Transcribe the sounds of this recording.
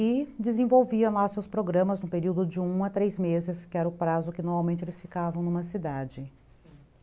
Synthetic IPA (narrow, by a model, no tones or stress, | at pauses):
ɪd͡ʒ̪ɪzẽvowviɐ̃lasewspɾoɡɾɐ̃mɐznʊ̃peɾiwd̪ʊd͡ʒɪũɐt̪ɾejzmezɪskɪɛɾɐʊpɾazʊkɪnoɾmawmẽnt͡ʃɪelɪsfikavɐ̃w̃nũmɐsid̪ad͡ʒɪ